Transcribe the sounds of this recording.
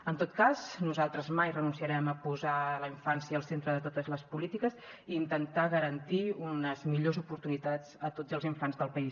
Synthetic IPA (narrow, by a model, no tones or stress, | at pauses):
ənt̪ot̪̚kaznuzalˠt̪ɾəzmajrənunsiəɾɛməpuzaləiɱfansjəːlˠsent̪ɾəðət̪ot̪əzləspulit̪ikəz | iːnt̪ənt̪aɣəɾənt̪iunəzmiʎozupuɾt̪unit̪az̥ət̪od͡zəlˠziɱfanzðəlˠpəis